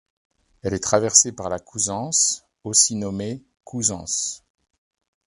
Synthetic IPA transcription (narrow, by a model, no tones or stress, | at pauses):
ɛlɛt̪χavɛʁsepaʁlakʰuzɑ̃s | osinɔme | kʰuzɑ̃s